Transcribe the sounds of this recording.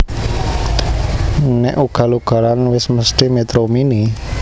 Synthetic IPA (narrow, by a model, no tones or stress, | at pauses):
nɛʔuɡ̥a̤luɡ̥a̤lanwɪsməsʈimet̪ɾomini